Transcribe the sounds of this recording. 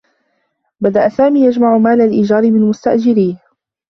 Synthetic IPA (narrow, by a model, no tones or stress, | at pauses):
bad̪aʔasaːmiːjad͡ʒmaʕʊmaːlalʔɪd͡ʒɑːɾɪmɪnmʊst̪aʔd͡ʒɪɾiːh